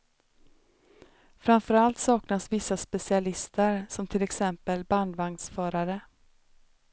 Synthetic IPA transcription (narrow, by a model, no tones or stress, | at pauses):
fɾamfœɾalt̪sɑːknasvɪsːaspɛsɪalɪst̪əɾsɔmt̪ʰɪlɛksɛmpəlband̪vaŋd̪sfœːɾaɾə